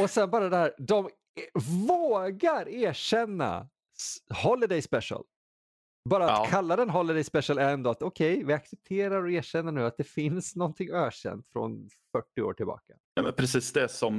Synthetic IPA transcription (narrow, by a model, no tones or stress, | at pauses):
ɔsɛnbɑːɾad̪ɛhæːɾd̪ɔm | voːɡaɾæːʂɛnːa̰ | hɔlːɪd̪ɛjspɛʂə̰l | bɑːɾatkʰalːad̪ɛnɦɔlɪd̪ɛjspɛʂəlɛɾɛnd̪oːat̪ɔkʰɛjvɪaksɛp̚t̪ʰeːɾaɾɔeːʂɛnːəɳʉ̟ːat̪̚d̪ɛfɪnsnɔnt̪ʰɪŋːœːɕɛ̰nt̪fɾɔ̰nfœʈːɪo̰ːʈɪlbɑ̰ːkḁ | ɛmɛ̰pʰɾɛsiːsd̪ɛsɔm